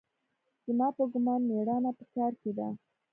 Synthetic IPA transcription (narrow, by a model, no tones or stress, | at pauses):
z̥əmɑpəɡʊmɑnmeɽɑnapəkɑɾked̪a̰